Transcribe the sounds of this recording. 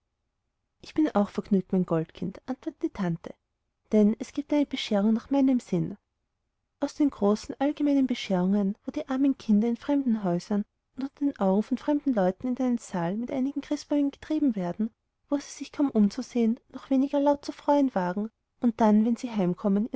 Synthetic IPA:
ʔɪçpɪnʔaʊxfɛɐɡ̥nyːk̚tmaɛɪnɡ̥ɔltkʰɪntʔantv̥ɔɐttd̥iːtʰantə | d̥ɛnɛsɡ̥iːp̚tʔæɪnəb̥əʃeːʁʊŋnaːχmaɪnəmsɪn | ʔaʊsd̥eːnɡ̥ʁoːsn̩ʔalɡəmæɪnənb̥əʃeːʁʊŋənvoːd̥iːʔaɐmənkʰɪndɐɪnfʁ̥ɛmdn̩ɦɔʏzɐn | ʔʊntʊntəd̥enʔaʊɡŋ̩fɔnfʁ̥ɛmdn̩lɔʏtn̩ɪnæɪnənzaːlmɪtʔaɪnɪɡŋ̩ɡ̥ʁɪspøːɡŋ̩ɡ̥ətʁ̥iːbm̩veːɐdn̩ | voːsiːz̥ɪçkʰamʔʊmt͡suzeːənːɔχv̥eːnɪɡɐlaʊt̚t͡sufʁ̥ɔʏənvaːɡŋ̩ | ʔʊnt̚d̥anvɛnz̥iːɦaɪmkʰɔmən

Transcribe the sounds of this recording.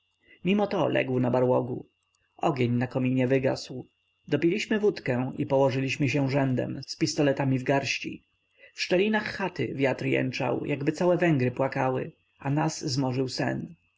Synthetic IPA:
mʲimɔt̪ɔlʔɛ̰ɡwnabaɾwɔɡṵ | ʔɔɡʲeɲnakɔmʲiɲɛvɘɡa̰sw | d̪ɔpʲilʲiɕmɘvut̪kɛ̃ipɔwɔʐɘlʲiɕmɘɕɛ̃ʐɛnd̪ɛ̰mspʲist̪ɔlɛt̪amʲivɡaɾɕt͡ɕḭ | fʂt͡ʂɛlʲinaxːat̪ɘ̰vʲjat̪ɾjɛ̰nt͡ʂa̰wjʔaɡbɘt̪sawɛvɛŋɡɾɘpwakawɘ̰ | anasːmɔʐɘwsɛ̰n

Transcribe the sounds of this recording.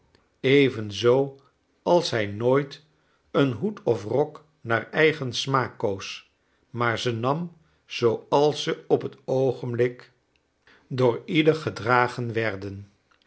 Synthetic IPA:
ejvənzow | ɑlˠsɦɛjnoːjt | ənɦutʰɔfrɔk | naːɹɛjχənsmaːkːows | maːɹzənɑm | z̥owɑlˠsəɔpɦətowχənblɪk | doːɹidəɹχədraːχənʋɛɹdən

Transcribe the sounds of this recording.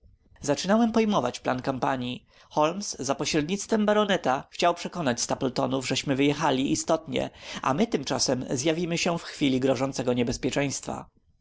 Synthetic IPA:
zat͡ʂɘnawɛmpɔjmɔvat͡ɕplankampaɲi | xɔlmsːapɔɕɾɛd̪ɲit̪st̪fɛmbaɾɔnɛt̪axt͡ɕawpʂɛkɔnat͡ɕst̪apɛlt̪ɔnuvʐɛɕmɘvɘjɛxalʲiʔist̪ɔt̪ɲɛ̰a̰mɘt̪ɘmt͡ʂa̰sɛmzjavʲimɘɕɛ̃fxfʲilʲiɡɾɔʐɔnt̪sɛɡɔɲɛbɛspʲjɛt͡ʂɛ̃j̃st̪fa̰

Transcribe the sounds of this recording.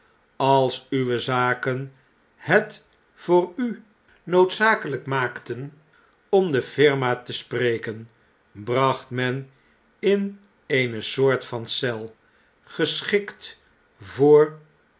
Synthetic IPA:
ɑlˠsyʋəzaːkən | hɛt | fʊːry | nowtsaːkələkmaːktən | ɔmdəfɪɹmatəsprejkən | brɑχtmɛn | ɪn | ejnəsʊːɹtfɑnsɛlˠ | χəsχɪkt | vʊːɹ

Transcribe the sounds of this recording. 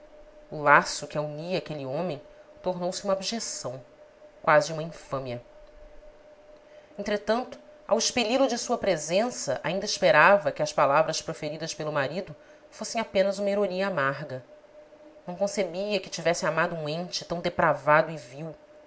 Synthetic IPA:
ʊlasʊkɪauniɐːkeliõmẽj̃t̪oɾnowsɪũmɐobʒesɐ̃w̃ | kwazɪũmɐĩfɐ̃miɐ | ẽnt̪ɾet̪ɐ̃nt̪ʊ̥a̰wiʃpelilʊd͡ʒɪsuɐpɾezẽsɐ̰ʔa̰ĩnd̪ɐiʃpeɾavɐkɪɐspalavɾɐspɾofeɾid̪ɐʃpelʊmaɾid̪ʊ | fosẽj̃apẽnɐzũmɐeɾoniɐamaɦɡɐ | nɐ̃w̃kõsebiɐkɪt͡ʃivɛsɪamad̪ʊũẽnt͡ʃɪt̪ɐ̃w̃d̪epɾavad̪ʊɪviw

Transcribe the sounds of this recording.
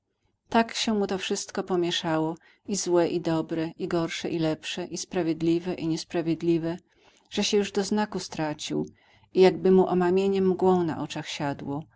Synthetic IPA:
t̪akɕɛmut̪ɔfʂɘst̪kɔpɔmʲjɛʂawɔ | izwɛʔid̪ɔbɾɛʔiɡɔɾʂɛʔilɛpʂɛʔispɾavʲjed̪lʲivɛʔiɲɛspɾavʲjed̪lʲivɛ | ʐ̥ɛɕɛjuʐd̪ɔznakust̪ɾat͡ɕḭw | ijaɡ̚bɘmuʔɔmamʲjeɲɛmɡwɔna̰ʔɔt͡ʂaxɕad̪wɔ

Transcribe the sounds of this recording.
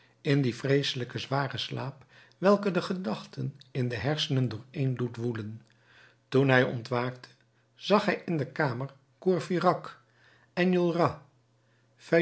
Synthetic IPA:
ɪndifrejsələkəzʋaːrəslaːp | ʋɛlˠkədəχədɑχtʰənɪndəɦɛɹsənəndʊːɹejndutʋulən | tunɦɛjɔ̰ntʋaːktʰə̥ | z̥ɑχɦɛjɪndəkaːməɹ | kuːɹfirɑk | ɛnjulˠrɑ | fɛ

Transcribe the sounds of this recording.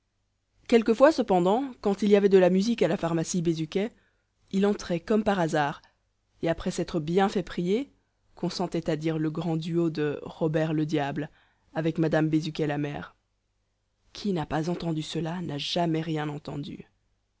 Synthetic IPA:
kʲɛlkəfwasəpɑ̃d̪ɑ̃kɑ̃t̪ilijavɛd̪əlamyzikalafaʁmasibezykʲɛ | ilɑ̃t̪χɛkɔmpaʁazaːʁ | eapχɛsɛt̪χəbjɛ̃fɛpχije | kʰɔ̃sɑ̃t̪ɛt̪ad̪iʁləɡʁɑ̃d̪yod̪əʁɔbɛʁləd̪jabl | avɛkmad̪ambezykʲɛlamɛ̰ːʁ | kʲʰinapazɑ̃t̪ɑ̃d̪ysəlanaʒ̥amɛʁjɛ̃nɑ̃t̪ɑ̰̃d̪y̰

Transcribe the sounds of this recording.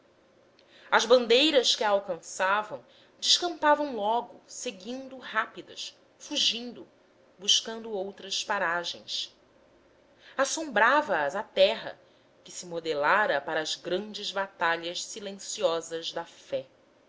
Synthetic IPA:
ɐzbɐ̃nd̪ejɾɐskɪaːwkɐ̃savɐ̃w̃ | d͡ʒɪʃkɐ̃mpavɐ̃w̃lɔɡʊ̰seɡĩnd̪ʊhapid̪ɐ̰s | fuʒĩnd̪ʊ | buʃkɐ̃nd̪ʊowt̪ɾɐʃpaɾaʒḛ̃j̃s | asõmbɾavɐːzat̪ɛɦɐ̰ | kɪsɪmod̪elaɾɐpaɾɐːzɡɾɐ̃nd͡ʒɪzbat̪aʎɐʃsilẽsiɔzɐzd̪ɐfɛ

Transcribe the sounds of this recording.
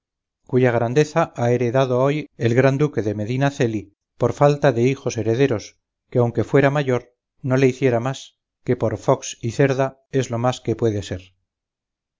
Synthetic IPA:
kuʝaɣ̞ɾand̪e̞θaʔae̞ɾe̞ðaðo̞oje̞lɣɾand̪uke̞ðeme̞ðinaθe̞li | po̞ɾfalt̪aðe̞iχo̞se̞ɾe̞ðe̞ɾo̞s | keawŋke̞fwe̞ɾamaʝo̞ɾ | no̞le̞iθje̞ɾamas | ke̞po̞ɾfo̞ksiθe̞ɾða | e̞zlo̞maskepwe̞ðe̞se̞ɾ

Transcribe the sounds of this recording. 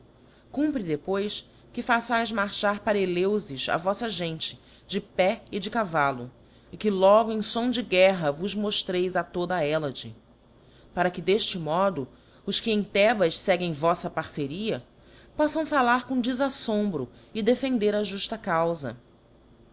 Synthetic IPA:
kũmpɾɪd̪epojs | kɪfasajzmaɾʃaɾpaɾɐelewzɪza̰vɔsɐʒẽnt͡ʃɪ̥ | d͡ʒɪpɛɪd͡ʒɪkavalʊ | ɪkɪlɔɡʊẽj̃sõw̃d͡ʒɪɡɛɦɐvʊzmoʃt̪ɾejzɐt̪od̪ɐɛlɐd͡ʒɪ̰ | paɾɐkɪd̪eʃt͡ʃɪmɔd̪ʊ | ʊʃkɪẽj̃t̪ɛbɐʃsɛɡẽj̃vɔsɐpaɾseɾiɐ | pɔsɐ̃w̃falaɾkõd͡ʒɪzasõmbɾʊɪd̪efẽnd̪eɾɐʒuʃt̪ɐkawzɐ̰

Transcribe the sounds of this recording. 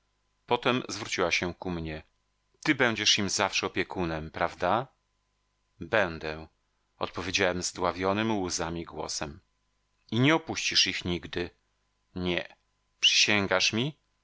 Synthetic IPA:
pɔt̪ɛmzvɾut͡ɕiwaɕɛkumɲɛ | t̪ɘbɛw̃d͡ʑɛʂimzafʂɛɔpʲɛkunɛmpɾavd̪a | bɛnd̪ɛ | ɔ̰t̪̚pɔvʲjed͡ʑawɛmzd̪wavʲjɔnɘmwuzamʲiɡwɔ̰sɛm | iɲɛɔpuɕt͡ɕiʂixɲiɡd̪ɘ | ɲɛ | pʂɘ̥ɕɛŋɡaʂmʲi

